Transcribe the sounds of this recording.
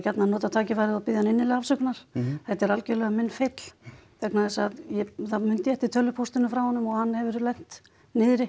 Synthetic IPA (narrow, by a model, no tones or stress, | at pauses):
cat̪nanɔːt̪at̪ʰaːcɪvajɾɪaðpɪðjanɪnːɪlɪafsœknaɾ̥θɛht̪ɛɾalcɛlɛɣamɪnːfet̪l̥fɛknaðɛsaðjɛθaðmʏnt̪jɛht̪ɪt̪ʰœlːʏpʰust̪ɪnʏfɾawhɔnːʏmɔɣhanːhɛvɪɾʏlɛŋ̥t̪ | nɪðɾɪ